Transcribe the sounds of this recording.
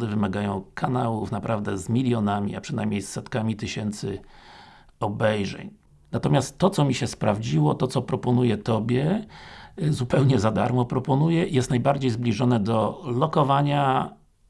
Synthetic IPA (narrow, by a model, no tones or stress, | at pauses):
d̪ɘvɘmaɡajɔ̃w̃kʰanawufnapɾʔavd̪ɛzmʲilʲjɔnamʲḭapʂɘna̰jmɲejsːɛt̪kamʲit̪ɘɕɛnt̪sɘ̰ | ɔbɛjʐɛ̰ɲ | nat̪ɔmʲast̪ːɔt̪sɔmʲiɕɛspɾavd͡ʑiwɔt̪ɔt̪sɔpɾɔpɔnujɛt̪ɔbʲjɛ | zupɛwɲɛzad̪a̰ɾmɔpɾɔpɔnujɛijɛst̪najbaɾd͡ʑejzblʲiʐɔnɛd̪ɔlɔkɔvaɲa